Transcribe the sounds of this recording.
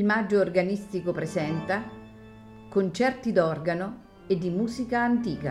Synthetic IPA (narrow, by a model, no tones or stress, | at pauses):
lmad͡ʒːoːrɡanist̪ikopɾesɛnt̪a | kont͡ʃɛrt̪id̪ɔrɡano | ed̪ːimuːsikaːnt̪iːka̰